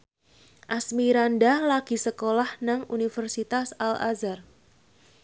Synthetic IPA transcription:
ʔasmiɾandalaɡ̥i̤səkolahnaŋunifərsit̪asala̰zar

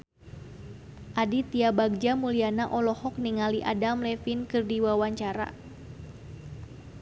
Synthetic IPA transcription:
ʔadit̪iabaɡ̚d͡ʒamulianaʔɔlɔhɔk̚niŋaliʔa̰damlɛfinkɨrdiwawaɲt͡ʃaɾa̰

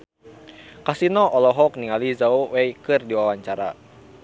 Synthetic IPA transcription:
kasinɔʔɔlɔɦɔk̚niŋalizaowejkɨrdiwawaɲt͡ʃaɾa̰

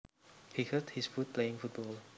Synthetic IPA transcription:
hihət̚hisfut̚pleɪ̃ŋfut̚bɔl

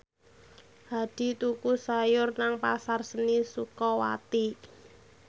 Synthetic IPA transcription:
had̥i̤t̪ukusajʊrnaŋpasarsənisukɔwa̰t̪i

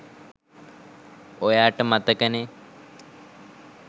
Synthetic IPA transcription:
ojaːʈəmat̪əkəne

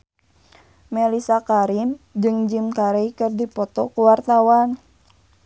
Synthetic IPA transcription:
mɛlisakaɾimd͡ʒɨŋd͡ʒimkaɾeikɨrdipɔt̪ɔkuwart̪awan

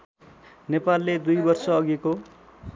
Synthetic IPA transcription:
nepalːed̪ujbʌrsʌːɡeko

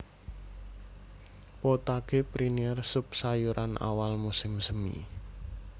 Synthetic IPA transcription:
pot̪aɡ̥epɾiniɛrsʊp̚sajuɾʔanʔa̰walmusɪmsəmḭ

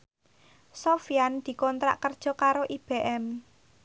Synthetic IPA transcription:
sofijand̪̥i̤kɔnt̪ɾa̰ʔkərd̥ʒ̥ɔ̤kaɾoʔib̥eʔɛm

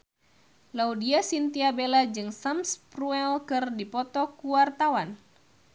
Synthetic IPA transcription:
laudiasint̪iabelad͡ʒɨŋsamspruɛlkɨrdipɔt̪ɔkuwart̪awan

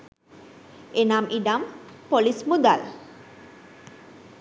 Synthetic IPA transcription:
enamʔiɖ̪ampolismud̪al

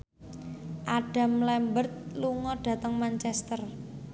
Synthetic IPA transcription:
ʔaɖ̥a̤mlɛmbərt̪̚luŋɔɖ̥ä̤t̪əŋmant͡ʃɛst̪ər

